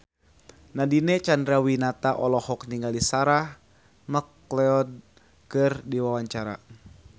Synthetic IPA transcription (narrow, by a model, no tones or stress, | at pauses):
nadinɛt͡ʃandɾawinat̪aʔɔlɔhɔk̚niŋɡalisaɾah | mək | lɛɔd̚ | kɨrdiwawaɲt͡ʃaɾa̰